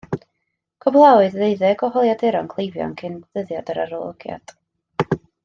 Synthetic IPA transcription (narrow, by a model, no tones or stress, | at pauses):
kʰɔblˠawɨððejðɛɡɔɦɔlˠjadɛɾɔnkʰlˠejvjɔ̰nkʰɪnðəðjadəɾaɾɔlˠə̰ɡja̰d̥